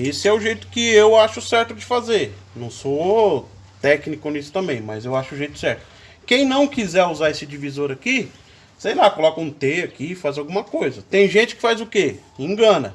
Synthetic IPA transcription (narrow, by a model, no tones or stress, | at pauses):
esɪɛʊʒejt̪ʊ̥kɪewaʃʊsɛɾt̪ʊd͡ʒɪfazeɾ | nɐ̃w̃so | t̪ɛknikʊnisʊ̥t̪ɐ̃mbẽj̃mɐ̰zewaʃʊːʒejt̪ʊ̥sɛɾt̪ʊ̥ | kẽj̃nɐ̃w̃kizɛɾuzaesɪd͡ʒivizoɾaki | sejlakolɔkɐũt̪eakifazawɡũmɐkojzɐt̪ẽj̃ʒẽnt͡ʃɪ̥kɪ̥fajzʊkeĩɡɐ̃nɐ